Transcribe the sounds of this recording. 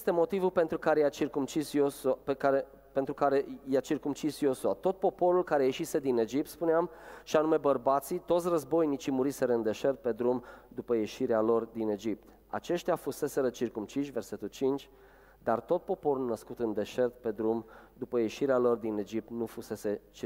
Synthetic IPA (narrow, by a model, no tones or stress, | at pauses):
jst̪e̞mo̞t̪ivulpe̞nt̪ɾukaɾejat͡ʃirkumt͡ʃisjospekaɾe | pent̪ɾukaɾe̞jat͡ʃirkumt͡ʃisjo̞suat̪o̞t̪̚po̞po̞ɾulkaɾe̞je̞ʃise̞d̪ine̞d͡ʒip̚t̪spuneamʃianume̞bərbat̪sit̪ot̪sʲrəzbo̞jnit͡ʃimuɾise̞ɾəɨnd̪e̞ʃe̞rt̪̚pe̞d̪ɾumd̪upəje̞ʃiɾealo̞rd̪ine̞d͡ʒip̚t̪ | a̰t͡ʃe̞ʃt̪eafuse̞se̞ɾət͡ʃirkumt͡ʃiʃʲve̞rse̞t̪ult͡ʃint͡ʃʲ | d̪art̪o̞t̪̚po̞po̞ɾulnəskut̪ɨnd̪e̞ʃe̞rt̪̚pe̞d̪ɾumd̪upəje̞ʃiɾealo̞rd̪ine̞d͡ʒip̚t̪nufuse̞se̞t͡ʃ